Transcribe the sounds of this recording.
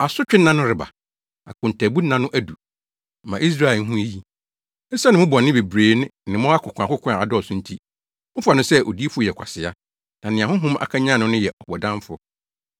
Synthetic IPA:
a˨sʊ˦t͡ɕᶣɪ˦nːã˦nʊ̃˦ɾɪ˨ba̰˨ | a̰˨kʰʊ̃˨n˨tʰæ˨bu˦nã˦nʊ̃˦ʔæ˦du˨ | mã˨ʔi˦s̬ɾa˦˨e˨˦ɦũ˦e˦ji˨ | n̩˦sa˦nɪ̃˨˦ʊ̃˦bɔ˨nːɪ̃˦be˨bɾeː˨˦nɪ̃˦˨nɪ̃˨mʊ̃˦a˦kʰʊ˨kʷʰã˨kʊ˦kʰʷa˨a˨dɔ˦ɔ˨sʊ̃˦n̩˦tʰi˦ | m̩˦fʊ˦a˨nʊ̃˦sɛ˦ʔo˨di˦e˦fʊ˦jɛ˨kʷʰa˨sɪ˨a˦ | nã˨nɪ̃˨ã˨ɦʊ̃˦ɦʊ̃˦ma̰˨kʰa˦ɲã˦˨nʊ̃˦nʊ̃˦jɛ˨ʔɔ˨hɔ˨dã˦m˦fʊ˦ɔ˦

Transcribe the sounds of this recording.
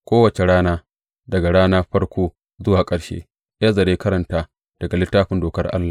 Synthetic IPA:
kʷoː˦wɐ˨t͡ʃe˨ɽaː˦naː˦ | dɐ˨ɡa˨ɽaː˦naː˦ɸɐ˦rkʷoː˦ | zʊ˦waː˨kʼɐ˦ɽʃḛː˦ | jaː˦zɐ˨ɾeː˦kɐ˦ɾɐ˨ntaː˦ | d̥ɐ˨ɡa˨lɪ˦tːaː˦ɸɪ˨ndoː˨kɐ˦rʔa̰˦lːa˨

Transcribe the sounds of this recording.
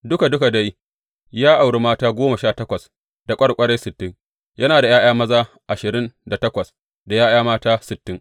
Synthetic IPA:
dʊ˦ka˨dʊ˦ka˨da˦j | jaː˦ʔa˨wɽe˦maː˦taː˦ɡʷoː˦ma˨ʃaː˦˨tɐ˦kʷɐ˨s | da˨kʷʼɐ˦ɽkʷʼɐ˦ɽe˦jsɪ˨tːɪ˦ŋ | jɐ˦naː˨da˨jaː˦j̰aː˦mɐ˦zaː˦ | ʔa˨ʃɪ˨ɾɪ˦nda˨tɐ˦kʷɐ˨s | da˨jaː˦j̰aː˦maː˦taː˦sɪ˨tːɪ˦ŋ

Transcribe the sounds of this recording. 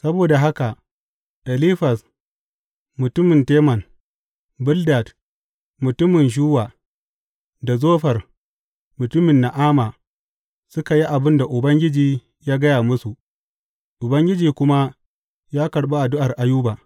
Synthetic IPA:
sɐ˦boː˨da˨ɦa˦ka˨ | ɗɐ˨liː˦ɸɐ˨s | mʊ˨tʊ˦mɪ˨nteː˦mɐ˨n | bʊ˦lda˨t | mʊ˨tʊ˦mɪ˨nʒuː˦waː˨ | da˨zoː˦ɸɐ˨r | mʊ˨tʊ˦mɪ˨nːa˨ʔaː˦maː˨ | sʊ˦ka˨ji˦ʔa˨bɪ˦nda˨ʔʊ˨bɐ˦ŋɡʲɪ˦d͡ʒiː˨ | jaː˦ɡɐ˦jaː˨mʊ˦su˨ʔ | ʔʊ˨bɐ˦ŋɡʲɪ˦d͡ʒiː˨kʷʊ˦ma˦ | jaː˦kɐ˨ɽɓa˦ʔa˨dʊ˦ʔa˨rʔa˨juː˦baː˨

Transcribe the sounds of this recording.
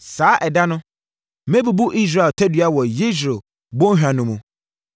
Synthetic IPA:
saː˨˦ʔɛ˨da˦nʊ̃˦ | mẽ˦bu˨bu˦ʔi˦s̬ɾa˨ltʰɛ˦dɥa˦wɔ˨ji˦s̬ɾe˨ | bõ˦ɦᶣa˨nʊ̃˨mũ˨

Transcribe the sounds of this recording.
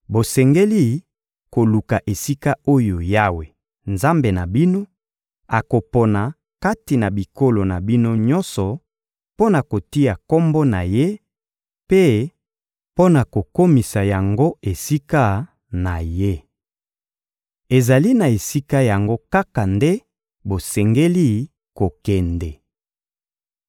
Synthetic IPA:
bo˨sɛ˨ŋɡe˦li˦ | ko˨lu˨ka˨ʔe˨si˦ka˦o˦jo˨ja˦we˨ | nza˦mbe˨na˨bi˦no˦ | a˨ko˨po˨na˨ | ka˦ti˨na˨bi˨ko˦lo˨na˨bi˦no˦ɲɔ˦nsɔ˨ | po˦na˨ko˨ti˦ja˨ko˦mbo˦na˨je˦ | pe˦ | po˦na˨ko˨ko˦mi˨sa˨ja˨ŋɡo˦e˨si˦ka˦ | na˨je˦ | e˨za˨li˦na˨e˨si˦ka˦ja˨ŋɡo˦ka˦ka˨nde˦ | bo˨sɛ˨ŋɡe˦li˦ | ko˨kɛ˨ndɛ˨

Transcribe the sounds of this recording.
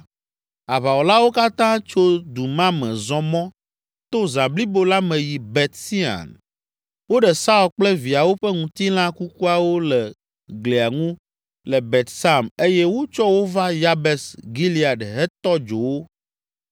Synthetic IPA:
a˨βa˨wɔ˨la˦wo˦ka˦t̪ã˦t͡ʃo˦d̪u˨mã˦mɛ̃˨zɔ̃˦mɔ̃˦ | t̪o˦zã˨bli˦bo˦la˦mɛ̃˨ji˨bɛ˨t̪si˦a̰˨n | wo˦ɖɛ˨sa˦u˨lk͡plɛ˦vi˨a˨wo˦ɸɛ˦ŋũ˨t̪i˦l̃ã˦ku˦ku˦a˨wo˦lɛ˨ | ɡle˨a˨ŋũ˦ | lɛ˨bɛ˨t̪sa˦me˦jɛ˦wo˦t͡ʃɔ˦wo˦va˦ja˦bɛ˨sɡi˦li˦a˨ɖɦɛ˦t̪ɔ˦d͡ʒo̰˨wo˦

